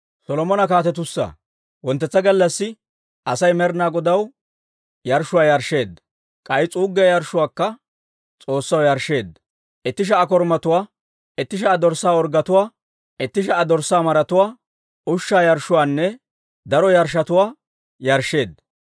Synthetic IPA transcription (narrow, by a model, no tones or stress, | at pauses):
sɔlɔmɔnɐkaːt̪ɛt̪̬ʊsːa̰ | wɔnt̪ːɛt͡sːɐɡɐlːɐsːɪ | ʔɐsɐjmɛɾnaːɡɔd̪ɐw | jɐɾʃːʊwaːjɐɾʃːe̞ːd̪ | kʼɐjt͡sʼuːɡɪɐjɐɾʃʊwaːkːɐ | t͡sʼo̞ːsːɐwjɐɾʃe̞ːd̪ɐ | ʔɛt̪ːɪʃ̬ɐʔɐk̬ɔɾmɐt̪ʊwaː | ɛt̪ːɪʃ̬ɐʔɐd̪ɔɾsːaːɔɾɡɐt̪ʊwaː | ɛt̪ːɪʃ̬ɐʔɐd̪ɔɾsːaːmɐɾɐt̪ʊwaː | ʔʊʃːaːjɐɾʃʊwaːnːɛ | d̪ɐɾɔjɐɾʃːɐt̪ʊwaː | jɐɾʃːe̞ːd̪ɐ